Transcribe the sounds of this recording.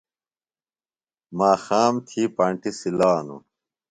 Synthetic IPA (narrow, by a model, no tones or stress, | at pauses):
maːxaːmt̪ʰiːpɐɳʈisilaːnṵ